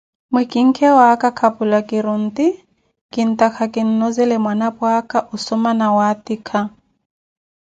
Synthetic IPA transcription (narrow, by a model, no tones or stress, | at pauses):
mwɛkʼiŋ̩kʰɛwakakʰapʼulakʼɪɾʊn̩ti | kɪn̩takʰakɪn̩nɔzɛlɛmwanapwakʼaʔʊsɔmanawatikʰa